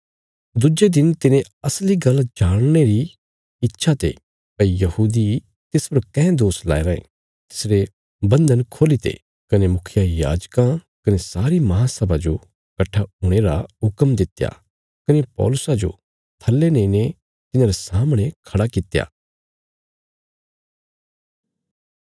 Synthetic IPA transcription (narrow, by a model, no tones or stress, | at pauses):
d̪ʊd͡ʒed̪ɪnt̪ɪnẽ | ɐsliɡɐld͡ʒaːɽ̃ñeɾi | ɪtːʃʰat̪ḛ | pɐijɐhuːd̪i | t̪ɪspɐɾkɛ̃ːd̪oːsla̰ːeɾɐḛ̃ | t̪ɪ̥sɾe | bɐ̃nd̪ənkʰoːlit̪ʰḛ | kɐnemʊkʰɪjaja̰ːd͡ʒkã | kɐnesaːɾimɐɦãsɐbad͡ʒo | kɐʈʰːaɦʊɽ̃eɾaɦʊkəmd̪ɪt̪ja̰ | kɐnepɔ̰ːlʊsad͡ʒo̰ | t̪ʰɐlːenẽɪne | t̪ɪnãːɾesaːmɽ̃ekʰɐɽakɪt̪ja̰ː